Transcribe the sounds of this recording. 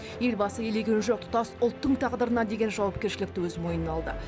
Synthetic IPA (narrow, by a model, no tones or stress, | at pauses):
je̞lbɑsəjele̞ɡʲe̞nʒo̞q̚t̪ʰʊ̥t̪ɑsʊlˠt̪ːəɴt̪ʰɑʁd̪əɾənɑd̪e̞ɡʲe̞nʒɑwɑp̚kʲe̞ɾʃɪlɪk̚t̪ɪwɵzmo̞jnənɑlˠd̪ə̰